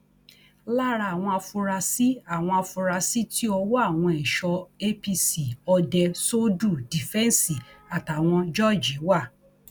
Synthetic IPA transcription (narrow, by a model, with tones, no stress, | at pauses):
la˦ɾa˧˨w̃ɔ̃˧a˧fu˧ɾa˧si˦a˦˨w̃ɔ̃˧a˧fu˧ɾa˧si˦ti˦ɔ˧wɔ˦a˦˨w̃ɔ̃˧ɛ˨ʃɔ˧e˦pi˧si˨ɔ˧dɛ˧so˦du˦˨di˨fɛ̃˦n˦si˨a˨ta˨w̃ɔ̃˧d͡ʒɔ˦˨d͡ʒi˨˦wa˦˨